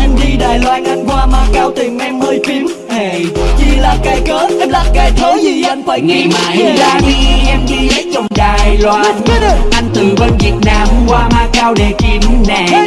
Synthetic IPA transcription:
ʔɛ˧mɗi˧ɗəː˨˩jlwaː˧nʔa˧jŋ̟kwaː˧maː˧kaː˧wt̪ï˨˩ŋʔɛ˧mʔəː˧jfi˨˦əm | he˨˩t͡ɕi˧laː˨˩kaː˨˩jkəː˨˦ʔɛ˧mlaː˨˩kaː˨˩jt̪ʰo˨˦zi˧˩ʔa˧jn̟faː˨˧˩jŋi˧maː˧˨˩jaː˨˩˧ʔɛ˧mɗi˧zə˨˦jt͡ɕɔ˧˩wŋ͡mɗaː˨˩jlwaː˧n˧ʔa˧jŋ̟t̪ɨ˨˩kə˧nvi˨˩ət̚naː˧mkwaː˧maː˧kaː˧wɗe˨˩ki˨˩mnɛ̰˧˩

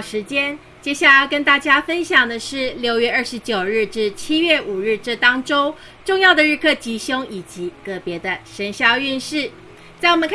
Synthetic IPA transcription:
ʂɻ̩˧˥t͡ɕjɛ˥n | t͡ɕjɛ˥ɕja˥˩la˨˩ɪkə˥nt̪a˥˩t͡ɕja˥fə˥nɕjɑ˨˩ŋd̪ə˩ʂɻ̩˥˩ljo˧˥ʊɥɛ˥˧ə˥˩ʂɻ̩˧˥t͡ɕjo˨˩ʊɻɻ̩˥˧ʈ͡ʂɻ̩˥˩t͡ɕʰi˥ɥɛ˥˩u˨˩ɻɻ̩˥˧ʈ͡ʂɤ˥˧t̪ɑ˥ŋʈ͡ʂo˥˦ʊ | ʈ͡ʂʊ˥˧ŋjɑ˥˩ʊd̪ə˩ɻɻ̩˥˧kʰɤ˥˩t͡ɕi˧˥ɕjʊ˥ŋi˨˩t͡ɕi˧˦kɤ˧˥pjɛ˧˥d̪ə˧ʂə˧˥nɕjɑ˥˧ʊy˥˧nʂɻ̩˥˩ | t͡sa˥˩ɪwə̃˦ŋkʰ

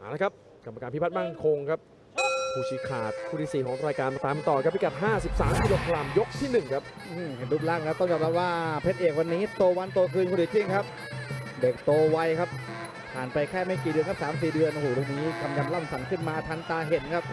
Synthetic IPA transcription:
ʔaː˨˩la˦˥kʰa˦˥p̚ | ka˧mːa˧kaː˧npʰi˦˥p̪̚ʰma˥˩nkʰo˧ŋkʰa˦˥p̚ | kʰuː˧˩t͡ɕʰiː˨˦kʰa̰ː˨˩t̪̚pʰu˥˩ɾi˨˦˥siː˨˩kʰɔː˩˦ŋɾaː˧jkaː˧na˧˩t̪aː˧m˧t̪ɔː˨˩kʰa˦˥p̚ʰːi˦˥ka˨˩ɦaː˥˩si˨˩p̚saː˩˦mkʰːdo˧˩k̚ʰla˧mjo˦˥k̚t̪ʰiː˥˩nɯ˨˩ŋkʰa˦˥p̚ | ʔɯː˧˩m˧duː˦˥˩p̚laː˥˩˧a˦˥p̚t̪ɔ˥˩ŋka˨˩p̚la˦˥waː˥˩pʰe˦˥t̪̚ʔeː˨˩k̚wa˧nːiː˦˥t̪oː˧wa˧nt̪o˧kʰɯː˧nkʰuː˧˩di˨˩t̪ʰi˥˩ŋkʰa˦˥p̚ | deː˨˩k̚t̪oː˧wa˧jkʰa˦˥p̚ | pʰaː˨˩npa˧jkʰɛː˥˩ma˥˩jkiː˨˩dɯ˧ənk̚ʰsaː˩˦ms̬iː˨˩dɯ˧ənʔhuː˨˩do˨˧˩niː˦˥ka˧mja˧mla˥˩msa˩˦ŋkʰɯ˥˩nmaː˧t̪ʰa˧nt̪aː˧ɦe˨˩nkʰa˦˥p̚

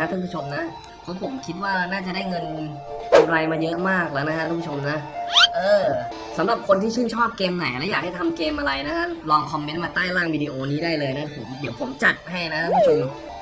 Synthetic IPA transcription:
a˦˥kʰa˥˩pʰu˦˥˩o˧mna˦˥ʔ | pʰɔ˦˥pʰo˨˩˦mkʰi˦˥t̪̚waː˥˩naː˥˩t͡ɕa˨˩daː˥˩jŋɤ˧n | ʔa˧ɾa˧jmaː˧jɤ˦˥ʔmaː˥˩k̚lɤː˧˥jna˦˥kʰa˦˥k̪ʰa˥˧pu˥˩o˧mna˦˥ʔʔɤː˧ | sa˩˦mɾa˨˩p̚kʰo˧nt̪ʰiː˥˩t͡ɕʰɯː˥˩nt͡ɕʰɔː˥˩p̚keː˧mna˨˩˦jlɛ˦˥jaː˨˩k̚ha˥˩jt̪ʰa˧mkeː˧mʔa˧ɾa˧jna˦˥kʰa˦˥lɔː˧ŋkʰɔ˧mːe˦˥nmaː˧t̪aː˥˩jlaː˥˩ŋwiː˧diː˧ʔoː˧niː˦˥daː˥˩jlɤː˧jna˦˥pʰo̰˩˦mdi˨˩˦wpʰo̰˨˩˦mt͡ɕa˨˩t̪̚ɦa˥˩jna˦kʰa˥˩pʰu˦˥t͡ɕʰo˧m

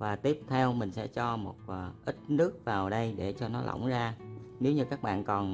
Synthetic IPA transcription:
vaː˨˩t̪i˦˥əp̚t̪ʰɛ˧wmï˨˩ŋ̟sɛ̰˧˥t͡ɕɔ˧mo˨˩t̚ːʔï˦˥t̚nɨ˦˥ək̚vaː˨˩wɗə˧jɗe˧˩t͡ɕɔ˧nɔ˨˦la̰˧˩wŋ͡mzaː˧ne˨˦wɲɨ˧kaː˦˥k̚ɓa̰ː˧˨nkɔ˨˩n

